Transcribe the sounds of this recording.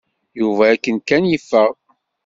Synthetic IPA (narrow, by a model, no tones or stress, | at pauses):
juvæækːənkænjifːəʁ